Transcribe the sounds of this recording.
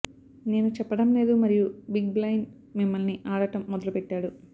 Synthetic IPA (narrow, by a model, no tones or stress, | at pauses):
ne̞ːnut͡ʃɛpːɐɽɐmle̞ːd̪umɐɾijubiɡ̚blɐjn | mimːɐlniʔaːɽɐʈɐmːɔd̪ɐlupɛʈːaːɽu